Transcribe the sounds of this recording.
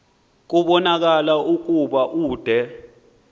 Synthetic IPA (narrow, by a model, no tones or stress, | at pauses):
k̬uɓɔnak̬alauk̬ʼuɓaʔuːd̥ʱɛ